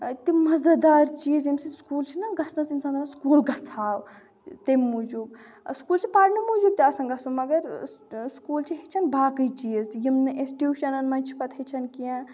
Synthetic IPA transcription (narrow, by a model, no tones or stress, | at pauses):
t̪imɐzd̪ɐd̪aːɾt͡ʃijizjimsiskuːlt͡ʃʰinɐɡɐsnɐsinsaːnmɐskuːlɡɐt͡sʰaːw | t̪emːud͡ʒub | skuːlt͡ʃʰipaːɾnɐmud͡ʒub̚t̪iɐsɐnɡɐsumɐɡɐɾskuːlt͡ʃʰiɦet͡ʃʰɐnbaːkɨjt͡ʃijəzjimnɨʔesʈjuʃɐnɐnmɐnt͡ʃʰi̥pɐt̪ʰɐt͡ʃʰɐnkijã